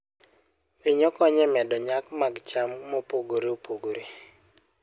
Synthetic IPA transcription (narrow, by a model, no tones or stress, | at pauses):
weɲɔkɔɲɛmɛdɔɲakmaɡt͡ʃammopoɡoɾeopoɡoɾe